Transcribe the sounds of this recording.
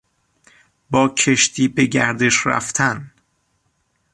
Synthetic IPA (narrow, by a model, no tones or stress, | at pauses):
bɒːcʰeʃt̪ʰiːbe̞ɟæɾd̪e̞ʃɾæ̰ft̪ʰæn